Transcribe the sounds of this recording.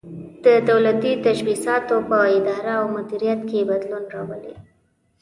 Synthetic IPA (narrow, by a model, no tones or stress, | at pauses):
d̪̥əd̪awlat̪it̪aʃwisɑt̪opəɪd̪ɑɾaawmʊd̪iɾijat̪kebad̪lunɾɑwəlḛ